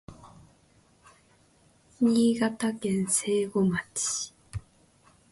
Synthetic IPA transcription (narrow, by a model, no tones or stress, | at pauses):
ɲʲiːɡat̪akẽ̞ñse̞ːɡomat͡ɕi̥